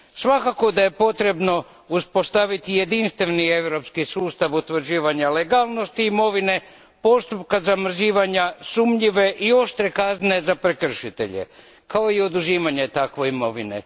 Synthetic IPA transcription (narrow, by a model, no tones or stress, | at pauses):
sʋakako̞d̪aje̞po̞t̪ɾe̞bno̞ | uspo̞st̪aʋit̪ije̞d̪inst̪ʋeʋnie̞ʋɾo̞pskisuːst̪aʋut̪ʋr̩d͡ʑiːʋaɲaleɡalˠno̞st̪iːmo̞ʋine̞ | po̞st̪up̚kazamr̩ziːʋaɲasumʎiʋe̞ʔio̞ʃt̪ɾe̞kaznezapɾe̞kr̩ʃit̪e̞̰ʎḛ | kao̞io̞d̪uziːmaɲet̪akʋe̞imo̞ʋinḛ